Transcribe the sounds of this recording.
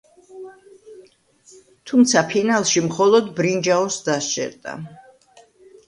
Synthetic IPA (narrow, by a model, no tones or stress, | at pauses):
t̪ʰumt̪sʰapʰinalˠʃimχɔlˠɔd̪bɾind͡ʒaɔsd̪ast͡ʃʼɛ̰ɾd̪ʼa̰